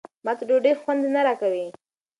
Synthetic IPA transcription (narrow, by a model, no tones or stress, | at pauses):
mat̪ɖoɖexwand̪enaɾakawi